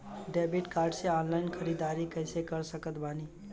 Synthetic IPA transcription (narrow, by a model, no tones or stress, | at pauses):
ɖeːbiʈkaːɾɖseɔːnlaːɪnxʰəɾiːd̪aːɾikɛɪsekəɾsəkət̪baːni